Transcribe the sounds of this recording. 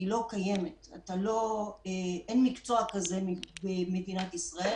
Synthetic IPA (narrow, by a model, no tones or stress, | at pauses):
ilo̞kaje̞meta̰t̪alo̞eʔenmikt͡so̞akaze̞mibemed̪inat̪isʁae